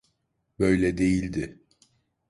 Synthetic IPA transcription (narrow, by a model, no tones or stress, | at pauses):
bø̞jlʲɛd̪e̞jilʲd̪ɪ